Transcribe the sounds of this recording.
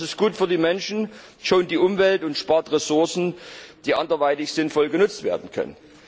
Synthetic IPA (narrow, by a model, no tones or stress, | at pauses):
sɪstɡ̥uːtfyːɐdiːmɛnʃn̩ | ʃoːnd̥iːʔʊmvɛltʊntʃpaɐtʁɛsʊɐsn̩d̥iːʔa̰ndɐvaɪtɪçz̥ɪnfɔlɡənʊt͡stv̥ḛːɐdn̩kʰœ̰nə̰n